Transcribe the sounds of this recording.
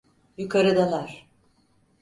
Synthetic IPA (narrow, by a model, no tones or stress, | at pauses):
jukʰaɾɯd̪alˠaɾ̥